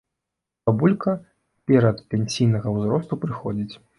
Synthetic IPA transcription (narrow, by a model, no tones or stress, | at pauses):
abulʲkɐ | pʲɛɾɐt̪pʲɛnʲsʲijnɐɣɐwzɾɔst̪upɾɨxɔd͡zʲit͡sʲ